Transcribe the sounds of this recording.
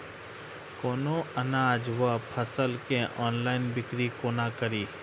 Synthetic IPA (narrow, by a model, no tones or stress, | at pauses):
koːnoːənaːd͡ʒʋəpʰəsəlkẽʔɔːnlaːɪnbɪkɾikoːnaːkəɾiː